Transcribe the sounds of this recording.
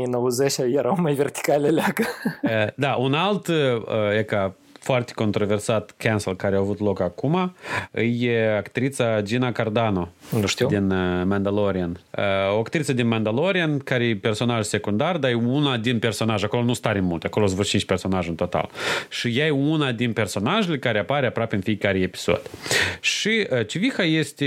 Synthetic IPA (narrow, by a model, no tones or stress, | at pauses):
ijnowəzet͡ʃʲajeɾawmajvʲert̪i̥kalʲelʲaɡə | d̪aʔunalt̪əjeka | foart̪e̥ko̞nt̪ɾo̞ve̞rsat̪kʲʰanselkaɾeawavut̪lo̞kakumaɨjeakt̪ɾit̪sad͡ʒinakard̪ano̞ʃt̪iwd̪inmand̪aloɾianəoakt̪ɾit̪səd̪inmand̪alo̞ɾiankaɾejepe̞rso̞naʒse̞kund̪ard̪aunad̪inpe̞rso̞naʒako̞lonust̪aɾenmult̪ʲako̞loazvot͡ʃint͡ʃʲpe̞rso̞naʒɨnt̪o̞t̪a̰lʃijajeunad̪inpe̞rso̞naʒelekaɾeapaɾʲeapɾoapʲeɨnfijekaɾejepi̥so̞̰d̪̥ʲʃiət͡ʃivixajest̪ʲe